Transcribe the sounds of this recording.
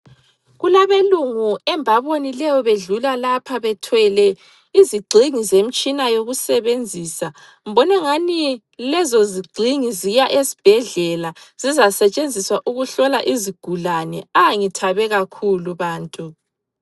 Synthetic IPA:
ɣulaβeluŋuɛmbʱaβonilɛjɔβeɮulalapʰaβɛtʰwɛlɛ | iziɡ͡ǀʱiŋizem̩t͡ʃʼinajoɣusɛβend͡zʱiːsa | ŋ̩bɔnaŋani | lɛzɔziɡ͡ǀʱiŋizijaʔesi̥b̥ʱɛɮɛlaz̥izasɛt͡ʃʼend͡zʱiswaʔuɣuɬɔlaʔiziɡ̥ʱulanɛ̰aŋitʰaβɛɣakʰuluβaːntʼu

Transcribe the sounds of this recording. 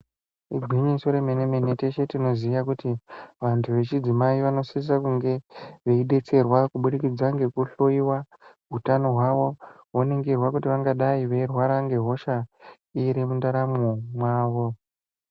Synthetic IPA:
iɡʱiɲiso̞ɾemenemenete̞ʃetino̞ziiakutiʋantʰuʋe̞t͡ʃid͡zimaiʋano̞sis̬akuŋɡe̞ʋeiɗe̞t͡se̞rwakuɓuɗikid͡zaŋɡe̞kuɬoiwa | ɦutano̞ɦwaʋo̞ | woneŋɡirwakutiʋaŋɡaɗaiʋe̞irwaɾaŋɡe̞ɦo̞ʃa | iɾimundaɾamumwaːʋo̞

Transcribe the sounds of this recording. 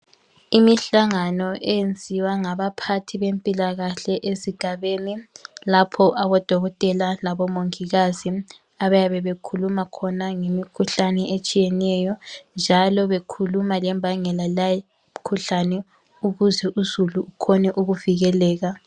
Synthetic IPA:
imiɬaŋanɔʔɛjend͡zʱiwaŋaβapʰatʰiβempʼilaɣaɬɛʔeziɡ̥ʱaβeːnilapʰɔʔaβɔd̥ʱɔɣɔtʼɛlalaβɔmoŋiɣazi | aβajaβɛβekʰulumakʰɔnaŋemikʰuɬanɛʔet͡ʃʼijɛnɛjɔnd͡ʒʱalɔβekʰulumalɛmbʱaŋɛlalaj | kʰuɬanɛ | uɣuzɛʔuzuluːkʰɔnɛʔuɣuviɣɛlɛːɣa

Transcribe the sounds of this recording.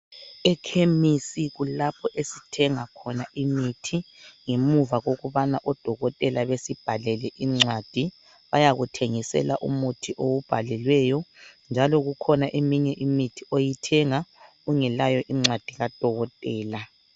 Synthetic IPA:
ɛkʰemisiɣulapʰɔʔesitʰɛŋakʰɔnaʔimitʰiŋemuvaɣoɣuβanaʔɔd̥ʱɔɣɔtʼɛlaβesib̥ʱalɛlɛʔiŋ͡ǀad̥ʱi | βajaɣutʰeŋisɛ̰la̰ʔṵmutʰiʔowub̥ʱalɛlwɛjɔnd͡ʒʱalɔɣukʰɔnaʔemiɲɛʔimitʰiʔojitʰɛŋa | uŋɛlajɔʔiŋ͡ǀwad̥ʱiɣad̥ʱɔɣɔtʼɛːla

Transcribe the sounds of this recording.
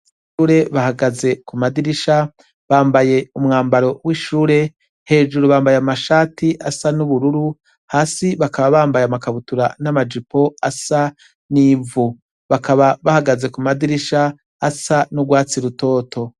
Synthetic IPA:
uɾe̞βahaɡaze̞kumadiɾiʃa | βaːmbaje̞umŋaːmbaɾo̞wiːʃuːɾe̞ | he̞ːʒuɾuβaːmbajamaʃaːtiʔasanuβuɾuɾu | haːsiβakaβaβaːmbajamakaβutuɾa̰namad͡ʒipo̞asa | nivu | βakaβaβahaɡaze̞kumadiɾiʃaː | sanuɡwaːt͡siɾuto̞ːtʰo̞

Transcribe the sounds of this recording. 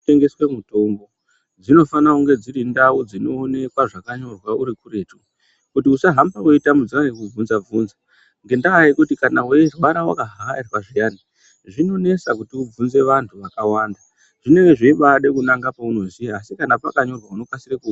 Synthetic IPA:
eŋɡe̞swemuto̞mbo̞ | d͡zino̞fanauŋɡe̞d͡ziɾindaud͡zino̞ːne̞kwaʐakaɲo̞rwauɾikure̞ːtu̥ | kutiusaɦambawoitamud͡zianekub͡vunzab͡vuːnza | ŋɡe̞ndaaikutikanaweirwaɾawa̰kaɦaarwaʐijaːni | ʐino̞ne̞sakutiub͡vunze̞ʋantʰuʋakawaːnda | ʐine̞we̞ʐeiɓaɗe̞kunaŋɡapauno̞ziasikanapakaɲo̞rwauno̞kwasireku

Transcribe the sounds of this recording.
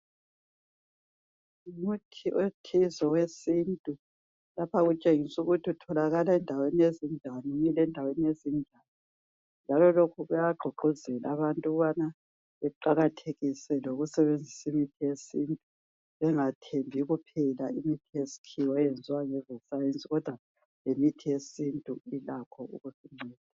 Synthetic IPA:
umutʰiʔotʰizɔwesintʼu | lapʰaɣut͡ʃʼeŋisuɣutʰiutʰɔlaɣalaɛndʱawenijezind͡ʒʱaniŋilɛndʱawenijezind͡ʒʱani | nd͡ʒʱalɔlokʰuɣujaɡ͡ǃʱuɡ͡ǃʱuzɛlaβantʼuɣuβana | βɛǃaɣatʰeɣisɛloɣusɛβend͡zʱisimitʰijesintʼu | βɛŋatʰembʱiɣupʰɛlaimitʰijesi̥kʰiwɔjɛnd͡zʱiwaŋɛzɔsajent͡sʼiɣɔd̥ʱwa | lemitʰijesintʼuilakʰɔṵɣusiŋ͡ǀɛːd̥ʱa

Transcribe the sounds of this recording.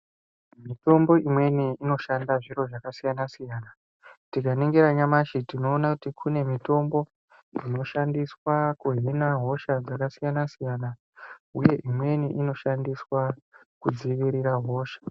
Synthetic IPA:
mito̞mbo̞ʔimwe̞niino̞ʃandaʐiɾo̞ʐakasijanasijaːna | tikaneŋɡeɾaɲamaʃitino̞ːnakutikʰune̞mito̞mbo̞ | ino̞ʃandiswakuɦinaɦo̞ʃad͡zakasijanasijana | uje̞ʔimwe̞niʔino̞ʃandiswa | kud͡ziʋiɾiɾaɦo̞ːʃḁ

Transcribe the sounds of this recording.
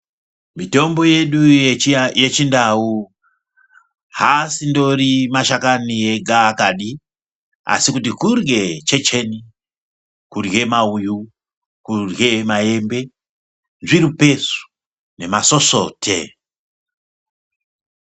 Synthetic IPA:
mito̞mbo̞jeɗu | jet͡ʃindau | hasindo̞rimaʃakanieɡaːkaɗi | a̰sikutikurɡet͡ʃe̞t͡ʃe̞ni | kurɣe̞mauju | kurɡe̞maje̞mbe̞ | nʐiɾupe̞su̥ | ne̞maso̞so̰tʰḛ

